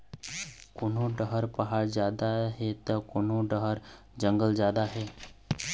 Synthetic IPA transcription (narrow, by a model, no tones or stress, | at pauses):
kʊnõɖəɦəɾpəɦaːɾd͡ʒjaːd̪aɦɛt̪əkonõɖəɦəɾ | d͡ʒə̃ŋɡəld͡ʒjaːd̪aɦɛː